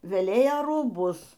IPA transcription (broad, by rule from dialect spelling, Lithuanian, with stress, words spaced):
ʋʲɛˈlʲeːjɛ ruːˈbʊs